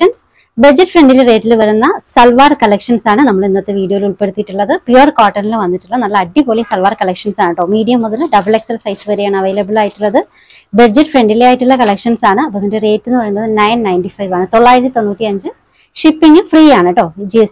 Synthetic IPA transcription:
ɐns | bɐd͡ʑɐʈːfreɳɖilere̞ːtːilʋɐɾunːɐsɐlʋaːrkɐlekʂɐnsaːɳɨnɐmːɐɭenːɐt̪ːeʋiːɽijojiluɭpe̞ɽut̪ːiʈːuɭːɐðɨpjɐrkaːrʈːɐnilɨʋɐnːiʈːuɭːɐnɐlːɐɐɖːipoːlisɐlʋaːrkɐlekʂɐnsaːɳɨʈːo̞ːmiːɽijɐmːuðɐlɨɖɐbɐɭe̞ksɐlsɐjsɨʋɐɾijaːɳɨɐʋɐjlɐbɐlaːjiʈːuɭːɐðɨ | bed͡ʑɐʈːfreɳɖilejaːjiʈːuɭːɐkɐɭekʂɐnsaːɳɨɐpːoðindere̞ːtːenːɨʋɐɾjunːɐðɨnɐjnnɐjnʈifɐjʋaːɳɨt̪o̞ɭːaːjiɾɐt̪ːit̪o̞nːuːt̪ːiɐɲd͡ʑɨ | ʂipːiŋɡɨfriːaːɳɐʈːo̞ːd͡ʑies

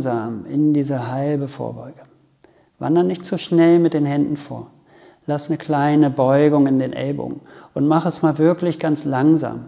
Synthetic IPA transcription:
zaːmɪndiːzɐɦaɪlbəfo̰ːɐbɔ̰ʏɡə | va̰ndɐnɪçtz̥uʃnɛlmɪt̚d̥eːnhɛndn̩fo̰ːɐ | lasnəkʰl̥aɪnəbɔʏɡʊŋɪndeːnʔɛ̰lbʊ̰ɡ̩ʔʊntmaχəɛsmaːlvɪɐklɪçɡ̥ant͡slaŋza̰ːm

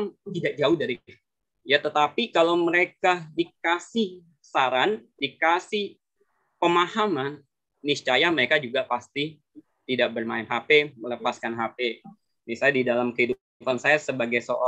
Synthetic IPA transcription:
ŋt̪idak̚d͡ʒaʊhdaɾi | jat̪ət̪apikalawməɾekadikasɪh | saɾandikasɪh | pəmahamanː | ist͡ʃajaməɾekad͡ʒuɡapast̪i | t̪idaʔ̚bərmaɪnɦapemələpaskanɦape | nisajadidalamkəhiduppansajasəbaɡajsoʔɔ

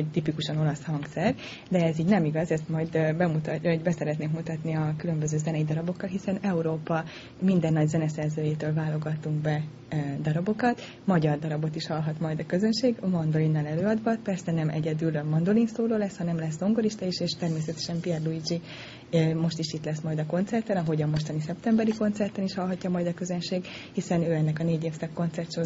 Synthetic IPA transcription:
oct̪ipikuʃɒno̞lɒshɒŋksɛr | d̪ɛːziːɟnɛmiɡɒzɛst̪mɒjd̪bɛmut̪oɟbɛsɛɾɛt̪neːŋkmut̪ɒt̪niɒkylø̞mbø̞zøːzɛnɛid̪ɒɾɒbo̞kːɒlɦisɛnɛuɾoːpɒ | mind̪ɛnːɒɟzɛnɛsɛrzøːjeːt̪øːlvaːlo̞ɡɒt̪uŋɡbɛ | d̪ɒɾɒbo̞kɒt̪ | mɒɟɒrd̪ɒɾɒbo̞t̪iʃhɒlɦɒt̪mɒjd̪ɒkø̞zø̞nʃeːɡmɒnd̪olinːɒlɛløːɒd̪vɒpɛrsɛnɛmɛ̰ɟɛd̪ylmɒnd̪o̞linsoːloːlɛshɒnɛmlɛs̬d̪o̞ŋɡoɾiʃt̪ɒiʃeːʃt̪ɛrmeːs̬ɛt̪ɛ̥ʃɛmpiɛrluid͡ʒi | mo̞ʃt̪iʃit̪lɛsmɒjd̪ɒko̞nt̪sɛrt̪ɛnɒɦo̞ɟɒmo̞ʃt̪ɒnisɛpt̪ɛmbɛɾiko̞nt̪sɛrt̪ɛniʃhɒlɦɒcːɒmɒjd̪ɒkø̞zønʃeːɡhisɛnøːɛnːɛkɒneːɟeːfsɛkːo̞nt̪sɛrt̪ʃo

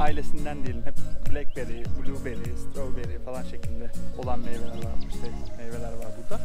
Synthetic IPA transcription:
aːilʲe̞sind̪ænd̪ejilʲiɛpblʲɛk̚beɾibulʲube̞ɾist̪ɾolbe̞ɾifalˠanʃecʰilʲd̪ɛo̞lˠanmejvelʲæɾɾvaɾiʃt̪ʰɛmejve̞lʲæɾvaɾbuɾd̪a

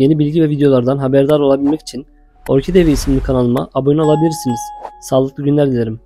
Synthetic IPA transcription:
je̞nibilʲɟivɛvid̪ejo̞lˠaɾd̪anɦabæɾd̪aɾo̞lˠabilʲmɛci̥t͡ʃʰin | oɾcʰed̪eveisimlʲikʰanalˠɯma̰ʔabonalˠabilʲiɾsiniz̥saːlˠɯk̚lˠɯɟynlʲæɾd̪ilʲeɾim

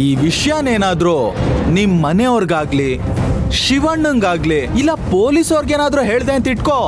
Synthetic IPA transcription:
iːʋiʂjaːneːnaːd̪ɾuːnimːɐneoɾɡaːɡli | ʃiʋɐɳːuŋɡaːɡliilːɐpoːlisoːɾɡeːnaːd̪ɾuːɦe̞ːɭd̪eɐnt̪iʈkoː

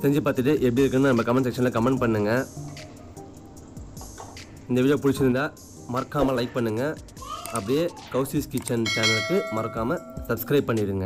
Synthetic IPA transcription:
sɛɲd͡ʒɯpaːɾt̪ɯʈːɯʔɛp̬ːɽiɪɾɯkːɯnnanɐmːɐkɐmɐns̬ɛkʂɐnlɐkɐmɐɳpɐɳːɯŋɡɐ | ɪnd̪ɐʋɪɐjɐ̃pʊɽɪt͡ʃːɪɾɯnd̪aː | mɐɾɐkːaːmɐlɐɪk̚pɐɳːɯŋɡɐ | ɐpːɐɽɪjeː | kɐʊsiskɪt͡ʃːɐnsaːnɐtːɯmɐɾɐkːaːmɐsɐbskɾɐɪb̚pːɐɳːɪɾɯŋɡɐ

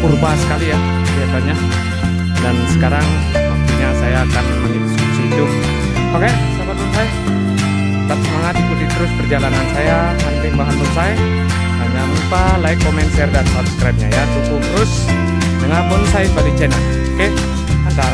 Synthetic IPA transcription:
urbasə̥kalija | biasaɲak | dansəkaɾaŋ | uɲasajaːkanmənidiskusiːd̪u | pakɛ | sapat̪unsaj | k̪at̪̚səmaŋat̪̚ikukit̪əɾʊspərd͡ʒalanansaja | hart̪ɛŋbaɦanpunsaj | aŋdanupalaikomɛnsɛrdansabskɾap̚ɲajat̪ukut̪əɾʊs | dəŋarpʊnsajpadit͡ʃɛnalpakɛ | anda

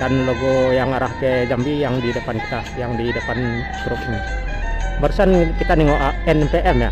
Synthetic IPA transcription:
kanloɡojaŋaɾahked͡ʒambijaŋdidəpanki̥t̪a | jaŋdidəpan | kɾup̚ni | baɾusankit̪aniŋoʔaɛnɛmpeʔɛmja̰

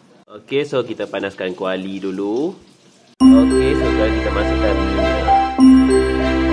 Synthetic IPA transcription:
okesokit̪əpanaskankualidulu | okesoɡakit̪əmasukanua

